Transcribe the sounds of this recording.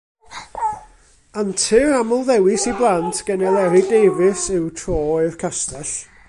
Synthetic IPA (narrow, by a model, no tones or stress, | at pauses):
antʰɨramʊlˠðɛwɪsiblˠantʰɡ̥ənɛlˠɛɾɪdejvɪsɨwtʰroːɪrkʰastaɬ